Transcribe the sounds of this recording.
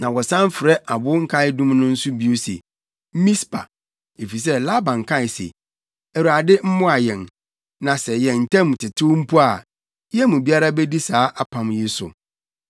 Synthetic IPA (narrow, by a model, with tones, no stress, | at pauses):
nã˨wɔ˨sã˦m˦fɪ˨ɾɛ˦ʔa˨bʊ˦ŋ̩˦kʰa˦ɪ˦dʊ̃˦mnʊ̃˦n̩˦sʊ˦bi˦o˦sḛ˨ | m̩˦mĩ˦spʰa̰˨ | e˨fi˨s̬ɛ˦la˦bã˨ŋ̩˨kʰã˦˨ɪ˨sḛ˨ | æ˨wu˨a˨dɪ˦m̩˦mʊ̃˦a˨jɛ̃˨n | nã˨sɛ˨jɛ̃˨n̩˨tʰɛ̃˦m˨tʰɪ˨tʰʊ˦m̩˦pʰu˦a˨˦ | jɛ˦mũ˨bi˦a˦ɾa˦bɛ˦di˦saː˨˦ʔa˦pʰã˨mjɪ˦sʊ̰˨